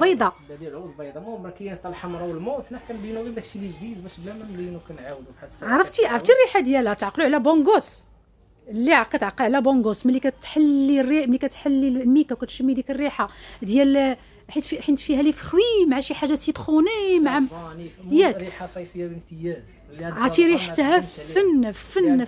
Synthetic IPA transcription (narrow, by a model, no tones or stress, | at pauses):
bɑjd̪ˤɑlæd̪jælʕud̪bɑjd̪ˤɑmumɾkəjænət̪ˤːɑlħamɾˤɑwəlmuʔfnækænbinuɾilækʃiliʒd̪id̪bæʃblæmænbinukænʕawəd̪umħasʕʕɾˤəft̪iʕaʕɾˤəft̪irːiħad̪jælæt̪ʕɑqːluʕlæboŋɡos | lːiʕkæt̪ʕaqːəlʕlæboŋɡosmælːikæt̪ħalːirimælːikæt̪ħalːimikækæt̪ʃəmːid̪ikərːiħad̪jæl | ħit̪fiħənt̪fihælifxwimʕaʃiħaʒːæsit̪ˤxunimʕa | jækiħasˤɑjfəjæbənt̪əjæz | ʕɑt̪iɾiħt̪ːɦæfənfən